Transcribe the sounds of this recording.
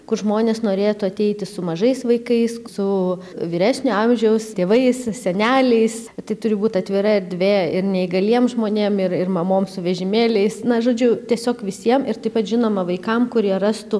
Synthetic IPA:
kʊrʒmoːnʲeːsnoːɾʲeːt̪ʊɐt̪ʲɛɪt̪ʲɪsʊmɐʒɐɪsʋɐɪkɐɪssʊʋʲiːɾʲæːsʲnʲʊɐmʲʒʲɛʊst̪ʲeːʋɐɪssʲɛnʲæːlʲɛɪst̪ɐɪt̪ʊɾʲɪbuːt̪ʲɐt̪ʲʋʲɪɾɐɪrd̪ʲʋʲeːɪrnʲɛɪɡɐlʲiɛmʒmoːnʲeːmɪrɪrmɐmoːmsʊʋʲɛʒʲɪmʲeːlʲɛɪsnɐʒoːd͡ʒʲʊt̪ʲiɛsʲoːkʋʲɪsʲiɛmɪrt̪ɐɪpɐt̪ʒʲɪnoːmɐʋɐɪkɐmkʊɾʲiɛrɐst̪u

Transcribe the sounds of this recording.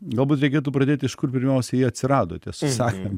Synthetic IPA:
ɡɐlˠbuːt̪ɾʲɛɪkʲeːt̪uːpɾɐd̪ʲeːt̪ʲɪʃkʊrpʲɪɾʲmʲɛʊsʲɛjiɛɐt̪ʲsʲɪɾɑːd̪o̰ːt̪ʲɛsʊsɑːkʲim

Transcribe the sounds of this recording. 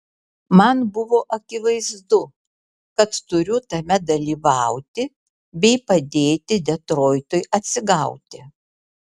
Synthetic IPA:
mɐnbʊʋoːʔɐkʲɪʋɐɪzd̪ʊ | kɐt̪t̪ʊɾʲʊt̪ɐmʲɛd̪ɐlʲiːʋɑˑʊt̪ʲɪ | bʲɛɪpɐd̪ʲeːt̪ʲɪd̪ʲɛt̪ɾoːjt̪ʊjʔɐt̪ʲsʲɪɡɐʊt̪ʲɪ

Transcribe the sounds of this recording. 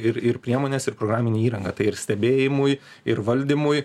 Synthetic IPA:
ɪɾɪɾpʲɾʲiɛmoːnʲɛsɪɾpɾoɡɾɑːmʲɪnʲeːiːɾɐŋɡɐːt̪ɐɪɪɾsʲt̪ʲɛbʲeːjɪmʊj | ɪɾʋɐlʲd̪ʲɪmʊj

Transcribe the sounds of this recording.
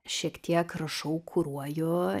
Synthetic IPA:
ʃʲiɛkt̪ʲiɛkrɐʃɐʊkʰʊɾuɔjoː

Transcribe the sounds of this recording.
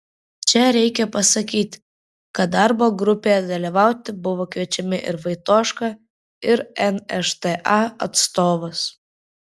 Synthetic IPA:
t͡ʃʲɛɾʲɛɪkʲɛpɐsɐkʲiːt̪ʲ | kɐt̪̚d̪ɑɾboːɡɾʊpʲeɛd̪ɐlʲiʋɑˑʊt̪ʲɪbʊʋoːkʋʲiɛt͡ʃʲɛmʲɪʔɪ̰ɾʋɐɪt̪oːʃkɑ | ɪɾɛnɛʃt̪ɛʔɑɐ̰t̪st̪oːʋos

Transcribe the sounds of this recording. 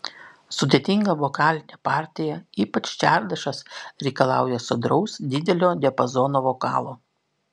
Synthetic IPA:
sʊd̪ʲeːt̪ʲɪŋɡɐʋɔkɑːlʲɪnʲɛpɑˑɾʲt̪ʲɪjɛiːpɐt͡ʃʲt͡ʃʲæˑɾd̪ɐʃɐsɾʲɛɪkɐlˠɑ̰ˑʊjɛsʊd̪ɾɒʊsd̪ʲɪd̪ʲɛlʲoːd̪ʲɛpɐzɔːnoːʋɔkɑ̰ːlˠoː

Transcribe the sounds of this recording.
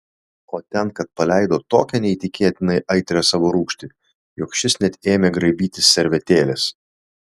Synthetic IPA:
oːt̪ʲɛnkɐt̪̚pɐlʲɛˑɪd̪oːt̪oːkʲɛnʲɛit̪ʲɪkʲeːt̪ʲɪnɐɪʔɐɪt̪ʲɾʲɛsɑːʋoːɾuːkʃʲt̪ʲɪ | jʊkʃʲɪsnʲɛt̪ʲeːmʲeːɡɾɐɪbʲiːt̪ʲɪsʲsʲɛɾʲʋʲɛt̪ʲeːlʲɛs

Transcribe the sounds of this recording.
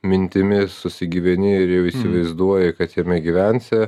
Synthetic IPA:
mʲɪnʲt̪ʲɪmʲɪsʊsʲɪɡʲiːʋʲɛnʲɪɪɾjɛʊiːsʲɪʋɐɪzd̪uɔjɛkɐt̪jɛmʲɛɡʲiʋʲɛnʲsʲɛ

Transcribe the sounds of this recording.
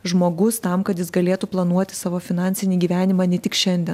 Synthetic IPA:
ʒmoːɡʊst̪ɐmkɐt̪jɪsɡɐlʲeːt̪uːplˠɐnuɔt̪ʲɪ̥sɑːʋoːfʲɪnɑnʲsʲɪnʲiːɡʲiːʋʲæːnʲɪmɑːnʲɛt̪ʲɪkʃʲɛnʲd̪ʲɛn

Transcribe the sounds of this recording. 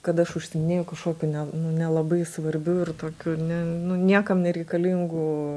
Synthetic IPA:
kɐt̪ɐʃʊʃʲsʲɪmʲɪnʲeːjʊkɐʃkoːkʲunʲɛnʊnʲɛlˠɐbɐɪsʋɐɾʲbʲʊɪrt̪oːkʲunʲɛnʊnʲiɛkɐmnʲɛɾʲɛɪkɐlʲiŋɡʊː

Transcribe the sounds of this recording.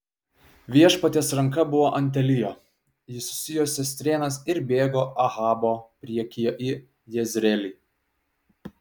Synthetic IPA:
ʋʲiɛʃpɐt̪ʲeːsɾɐŋkɐbʊʋoːʔɐnʲt̪̬ʲɛlʲɪjoː | jɪsʊ̥sʲɪjoːsʲɛsʲt̪ʲɾʲeːnɐsɪɾbʲeːɡoːʔɐɣɑːboːpʲɾʲiɛkʲijoʔɪ | jɛzʲɾʲɛlʲiː

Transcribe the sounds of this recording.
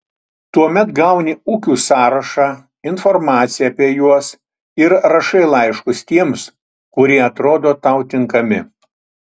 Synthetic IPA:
t̪uɔmʲɛt̪ɡɐˑʊnʲɪuːkʲuːsɑːɾɐʃɑː | ɪnfɔɾmɑːt̪sʲɪjɛːpʲiɛjuɔs | ɪɾɾɐʃɐɪlˠɐɪʃkʊst̪ʲiɛms | kʊɾʲiɛɐt̪ɾoːd̪oːt̪ɐʊt̪ʲɪŋkɐmʲɪ

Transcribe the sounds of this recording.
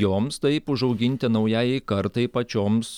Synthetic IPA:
joːmst̪ɐɪpʊʒɒʊɡʲɪnʲt̪ʲɪnɐʊjæːjɪɪkɐɾt̪ɐɪpɐt͡ʃʲoːms

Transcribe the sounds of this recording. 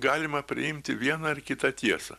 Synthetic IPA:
ɡɑːlʲɪmɐpʲɾʲɪ̰ɪmʲt̪ʲɪʋʲiɛnɐɪrkʲɪt̪ɐt̪ʲiɛsɐ̰

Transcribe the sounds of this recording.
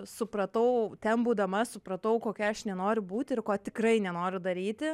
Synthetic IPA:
sʊpɾɐt̪ɐʊt̪ʲɛnbuːd̪ɐmɐsʊpɾɐt̪ɐʊkoːkʲɛɐʃnʲɛnoːɾʲʊbuːt̪ʲɪɪrkoːt̪ʲɪkrɐɪnʲɛnoːɾʲʊd̪ɐɾʲiːt̪ʲɪ

